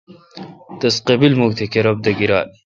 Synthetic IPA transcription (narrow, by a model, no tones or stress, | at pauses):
t̪ɐsqebilmoɡ̚t̪ʰekeɾɐb̚d̪ɐɡiɾa̰ːl